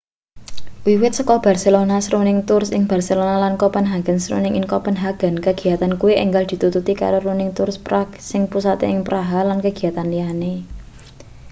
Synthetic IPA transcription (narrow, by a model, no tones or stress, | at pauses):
wiwɪt̪̚səkɔb̥a̤rselonasɾunɪŋt̪ʊrsɪŋb̥a̤rselonalankɔpənɦaɡ̥ənsɾṵnɪŋɪŋkɔpənɦaɡ̥ə̤nkəɡ̥i̤jat̪ankuwiʔɛŋɡald̪̥i̤t̪ut̪ut̪ika̰ɾoɾunɪŋt̪ʊrspɾak̚sɪŋpusat̪ḛɪŋpɾaɦalankəɡ̥i̤jat̪anliane